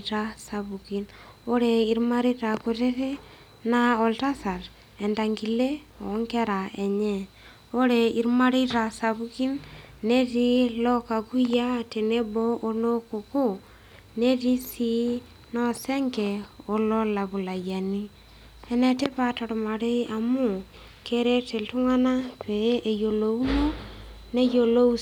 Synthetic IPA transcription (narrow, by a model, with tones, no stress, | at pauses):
ta˦sa˨bu˨ki˦n | o˦ɾɛ˨i˨ɾma˦ɾi˦ta˨ko˨te˦ke˦ | na˦ɔ˨lta˦sa˨ɾ | ɛ˨nda˨ŋɡi˨le˦ | ɔ˨˦ŋkɛ˦ɾa˨ɛ˨ɲɛ˨ | o˦ɾɛ˨i˦ɾma˦ɾi˦ta˨sa˨bu˦ki˦nne˦ti˦lɔ˦ka˨ku˦ja˦te˨ne˦bɔ˦ʔo˦no˦ko˨ko˦ | ne˦ɾi˦si˦ | nɔ˦sɛ˦ŋɡɛ˨o˦lɔ˦la˨βu˨la˨ja˨ni˦ | ɛ˨nɛ˨te˦pa˨tɔ˨ɾma˨ɾe˦a˨mu˦˨ | ke˦ɾe˦te˨ltu˦ŋa˦na˦pe˨˦ʔe˨jo˨lo˨u˦no˦ | ne˦jo˨lo˦u